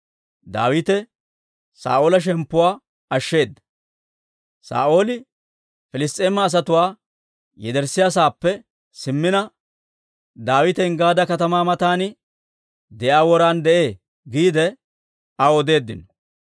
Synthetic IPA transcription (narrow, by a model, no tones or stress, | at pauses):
d̪a̰ːwɪt̪ɛ | sa̰ːʔo̞ːlɐʃ̬ɛmpːʊwaː | ɐʃːe̞ːd̪ːɐ̥ | sa̰ːʔo̞ːlɪ | fɪlɪst̪ʼeːmːɐːs̬ɐt̪ʊwaː | jɛd̪ɛɾsːɪjaːs̬aːpːɛ | sɪmːɪnɐ | d̪aːwɪt̪ɛɪŋɡaːd̪ɐkɐt̪ɐmaːmɐt̪aːnɪ | d̪ɛʔaːwɔɾaːnd̪ɛʔeː | ɡiːd̪ɛ | ɐɔd̪e̞ːd̪ːɪnɔ̥